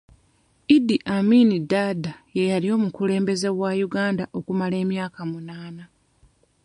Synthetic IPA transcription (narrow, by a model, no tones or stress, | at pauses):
idiʔaminidadaje̞jalio̞ːmukule̞ːmbe̞ze̞wajuɡaːndaʔo̞kumale̞ːmjaːkamunaːna